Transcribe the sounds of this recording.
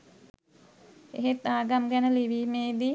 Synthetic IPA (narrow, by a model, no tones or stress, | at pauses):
eɦet̪ːaːɡamɡænəliʋiːmeːd̪i